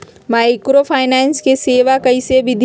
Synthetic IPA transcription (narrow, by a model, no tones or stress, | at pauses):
maːjkɾopʰaːɪnɛːnskeseːʋakɐiseʋɪd̪ʱ